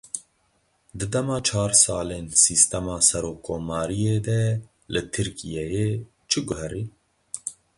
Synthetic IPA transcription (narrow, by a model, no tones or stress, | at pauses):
d̪ɨd̪ɛmɑːt͡ʃʰɑːɾsɑːleːnsiːst̪ɛmɑːsɛɾoːkʰːoːmɑːɾijeːd̪ɛ | lɨt̪ʰɨɾkʰijɛjeː | t͡ʃʰɨɡʊɦɛɾiː